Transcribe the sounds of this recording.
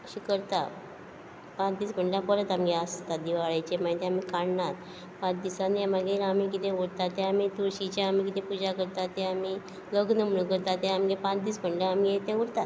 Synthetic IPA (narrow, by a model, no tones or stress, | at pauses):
ɕikəɾt̪a | pãt͡sd̪iːsm̤əɳɖlãkɔlət̪amɡeəst̪ad̪iʋaɭajt͡ɕemaɦit̪ẽamikaɽnat̪ | pãt͡sd̪isanamaɡeilamikit̪ẽʋoɽt̪at̪ːẽamit̪uɾɕit͡ɕaam̤ik̬it̪epud͡ʑakəɾt̪at̪ːɛ̃ami | ləɡnəm̤nəkəɾt̪aɛ̃amɡepãt͡sd̪iːsb̤əɳɖlãamiet̪ɛ̃ʋuɽt̪at̪